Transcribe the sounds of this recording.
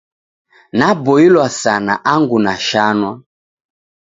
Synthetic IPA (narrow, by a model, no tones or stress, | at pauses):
nabɔilwasana̰ʔaŋɡunaʃanwa